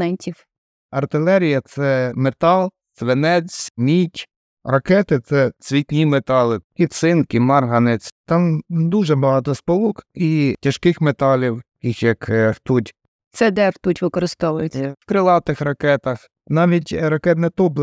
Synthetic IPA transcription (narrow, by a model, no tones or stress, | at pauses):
nɛnʲtʲiw | ɐrt̪ɪlˠɛɾʲijɐt̪sɛmet̪ɑlˠ | t͡s̪ʋenɛt͡s̪ʲmʲitʲ | rɐkɛt̪ɪsɛt͡sʲʋʲitʲnʲimet̪ɑlˠɪkit̪sɪnkɪmɑrɦɐnɛt͡sʲt̪ɑmd̪uʒɛbɐɦɑt̪ɔspɔlˠukitʲɐʃkɪxmet̪ɑlʲiwkixjɐkft̪utʲ | t̪sɛd̪ɛwt̪utʲʋɪkɔɾɪst̪ɔʋʊjɪt͡sʲːɐwkɾɪlˠɑt̪ɪxrɐkɛt̪ɐx | nɑʋʲitʲɾɐkɛt̪nɛt̪ɔblˠ